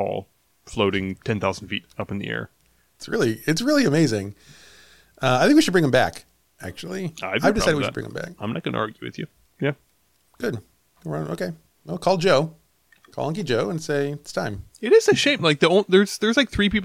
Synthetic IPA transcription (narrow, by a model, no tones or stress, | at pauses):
ɔ̰lˠ | floʊɾɪ̃ŋtʰɛ̃nθaʊzn̩dfḭɾʌpn̩ðḭɛ̰ɹ | ɪtsɹɪ̰lˠiɨtsɹɪlˠiɨmeɪzɪ̃ŋ | ʌaɪθɪ̃ŋkwiʃɨd̚bɹɪ̃ŋʌ̃mbæ̰k | ʔæ̰k̚t͡ʃul̩ˠiaɪaɪvdɨɪsaɪɾɨd̚wiʃd̚bɹɪ̰̃ŋ̃ə̰̃mbæ̰k̚ãɪ̃mnət̚ɡ̥ʌ̃nə̰ʔɑ̰ɹɡjʉwɨ̰ðjʉ̰ | jæ | ɡ̥ʊd̥̚ | ɹãʊ̃no̰ʊkʰeɪ | oʊkʰɔlˠd͡ʒoʊ | kʰɔ̰lˠʌ̃ŋk̬id͡ʒoʊə̃nseɪtstʰãɪ̃mɪɾɪz̥ɨʃẽɪ̃mlaɪk̚ðiõʊ̃nðə˞z̥ðə˞zlaɪk̚θɹipip